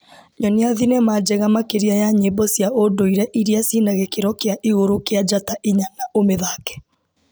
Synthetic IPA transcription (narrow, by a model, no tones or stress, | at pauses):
ɲɔneaðinɛmad͡ʒɛɣamakeɾiajaɲebɔsjaʔodoiɾɛʔiɾiasinaɣɛkeɾɔkeaʔiɣoɾokead͡ʒataʔiɲanaʔomeðaːkɛ̥